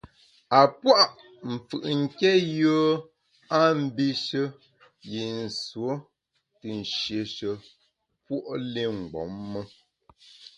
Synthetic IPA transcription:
a˨pwa˦ʔ | m̩˨fɯ̰˨ʔŋ̩˦kɛ˦joː˦ | a˦m̩˦bi˦ʃə˦ | je˨n̩˨swo˨˦ | tɨ˨n̩˨ʃje˨ʃə˨ | pwo˦ʔle˦ŋ̩˨ɡ͡bɔ̰˨˦mːə˦

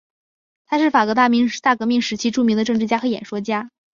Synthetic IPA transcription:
t̪ʰa˥ʂɻ̩˥˩fa˨˩kwɔ˧˥t̪̬a˥˩mi˧˥ŋt̪a˥˩kɤ˧˥mi˥˩ŋʂɻ̩˧˥t͡ɕʰi˥ʈ͡ʂu˥˩mi˧˥ŋd̪ə˧ʈ͡ʂɤ˥˧ŋʈ͡ʂɻ̩˥˧t͡ɕja˥xɤ˧˥jɛ̰˨˩nʂwɔ˥t͡ɕja˥

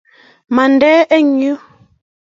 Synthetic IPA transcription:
ma˨n˦dɛ˦ɛ˦ɲə˦

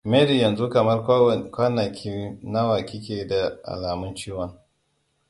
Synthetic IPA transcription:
meː˦ɾi˨jɐ˨nzu˦kɐ˨mɐ˦rkʷaː˦na˨kʲʰi˦na˦wa˨kʲi˦kʲeː˨da˨ʔa̰˨laː˨mʊ˦nt͡ʃiː˦wɐ˦ŋ

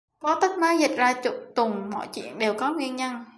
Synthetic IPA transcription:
kɔ˨˦t̪ə˦˥k̚na˨˦jzi˨˩k̟̚zaː˧t͡ɕʊ˧˩t̪ʊ˨˩ŋ͡mmɔ̰˧˨jt͡ɕwḭ˧˨ənɗe˨˩wkɔ˨˦ŋwi˧ənɲə˧n

